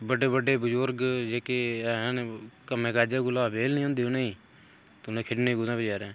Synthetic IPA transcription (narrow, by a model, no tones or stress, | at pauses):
bəɖeːbəɖeːbəzʊɾɡd͡ʒeːkeːnkəmẽːkaːd͡ʒaːɡʊlaːbeːlnĩõːnd̪iːʊneːĩː | t̪ːnẽːkʰɪɖneːɡʊzãːped͡ʒaːɾẽː